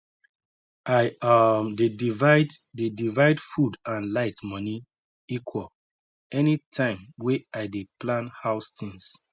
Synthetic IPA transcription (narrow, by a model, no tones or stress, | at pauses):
aɪadedvadedivaɪdfudãnlaɪtmɔni | ikʰwɔl | ɛnitʰãɪ̃mweaɪdeplãnhaʊstĩŋs